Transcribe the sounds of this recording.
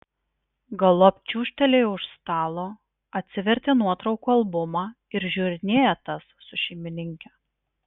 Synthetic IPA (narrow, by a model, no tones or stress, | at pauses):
ɡɐlˠopʲt͡ʃʲuːʃʲt̪ʲɛlʲeɪʊʃst̪ɑːlˠoː | ɐt̪ʲsʲɪʋʲɛɾʲt̪ʲeːnuɔt̪ɾɒʊkuːɐlˠbʊmɑː | ɪɾʒʲʊɾʲɪnʲeːjɛt̪ɐsːʊʃʲɛɪmʲɪnʲɪŋʲkʲɛ